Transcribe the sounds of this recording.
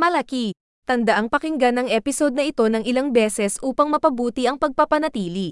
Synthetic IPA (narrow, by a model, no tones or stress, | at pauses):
mɐlɐki | t̪ɐnd̪ɐʔaŋpɐkɪŋɡanɐŋʔɛːpɪso̞d̪̚nɐʔɪt̪o̞nɐŋɪlaŋbɛːsɛsʔuːpɐŋmɐpɐbuːt̪iʔɐŋpɐɡ̚pɐpɐnɐt̪iːli